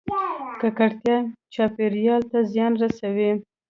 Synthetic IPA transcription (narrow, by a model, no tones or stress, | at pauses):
kakaɽt̪jɑt͡ʃɑpeɾjɑlt̪azjɑnɾasawi